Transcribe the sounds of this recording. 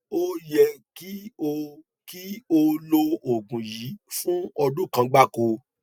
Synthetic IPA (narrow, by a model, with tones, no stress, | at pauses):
o˦jɛ˧ki˦o˧ | ki˦o˦lo˧o˨ɡũ˨ji˨˦fũ˦ɔ˧dũ˦˨kã˧ɡ͡ba˦˨ko˧